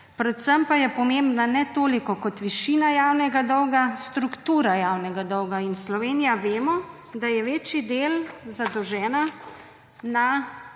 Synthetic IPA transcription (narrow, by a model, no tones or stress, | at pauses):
pɾɛt̪səmpajɛpɔmembnanɛt̪oːlikɔkɔt̪ʋiʃiːnajaːwnɛɡad̪ɔwɡast̪ɾukt̪uːɾajawnɛɡad̪ɔwɡainslɔʋeːnijaʋeːmɔ | d̪ajɛʋeːt͡ʃid̪eːlzad̪ɔwʒɛːna | na